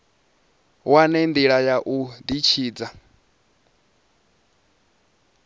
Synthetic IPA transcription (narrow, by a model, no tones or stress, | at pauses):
wanɛnd̪iɺajaʔud̪it͡ʃʰiːd͡za